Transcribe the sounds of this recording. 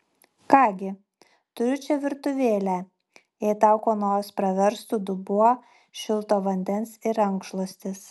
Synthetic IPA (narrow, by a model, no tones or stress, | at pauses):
kɑːɡʲɪ | t̪ʊɾʲʊt͡ʃʲɛʋʲɪɾt̪ʊʋʲeːlʲæ | ɛɪt̪ɑˑʊkoːnoːjospɾɐʋʲɛɾst̪uːd̪ʊbuɔ | ʃʲɪlˠˑt̪oːʋɐnʲd̪ʲɛnsɪɾɐŋkʃlˠosʲt̪ʲɪs